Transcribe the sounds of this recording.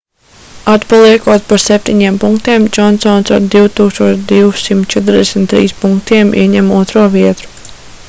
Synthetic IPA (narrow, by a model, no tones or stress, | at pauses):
at̪palˠiɛkuɔt̪paɾsɛp̚t̪iɲiɛmpuŋkt̪iɛmd͡ʒɔnsɔnsaɾd̪iwt̪uːkst̪uɔt͡ʃd̪iwsimt̪t͡ʃɛt̪̬ɾd̪ɛsʲmt̪ːɾḭːspuŋk̚t̪iɛmḭɛɲɛmuɔt̪ɾuɔviɛt̪ɾu̥